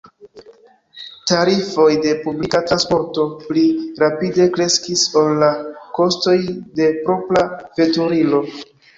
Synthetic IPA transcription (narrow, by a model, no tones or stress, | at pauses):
taɾifo̞jde̞publikatɾanspo̞ɾto̞pliɾapide̞kɾe̞skiso̞lːako̞sto̞jde̞pɾo̞pɾave̞tuɾilo̞